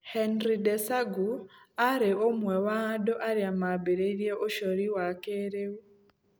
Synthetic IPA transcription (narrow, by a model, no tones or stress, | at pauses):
hɛnɾidɛsaɡuaɾeomwɛwadɔʔaɾeamabeɾeiɾjɛʔoʃɔɾiwakeːɾewu